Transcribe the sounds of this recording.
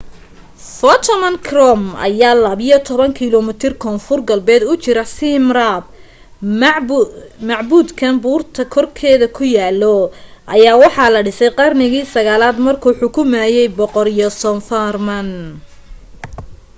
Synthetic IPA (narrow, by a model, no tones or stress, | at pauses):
fɔt̪ʰmɐnkʰrɔmɐ̰jaːlɐβɪjɔt̪ʰɔβɐŋkʰilɔmɪt̪ʰɪrkʰɔːnfʊrɡɐlbɛːd̪ʊt͡ʃɪɾɐsɪmrab | mɑʕbuːd̪kʰɐnbuːrt̪ʰɐkʰɔrkʰɛːðɐkʰʊjaːlɔʔɐjaːwɑħɑlɐɖɪsɛjqɑrnɪɣiːsɐɣaːlaːd̪mɐrkʰuːħʊkʰʊmɛːjɛjbɔqɔɾijɔsɔnfarmɐn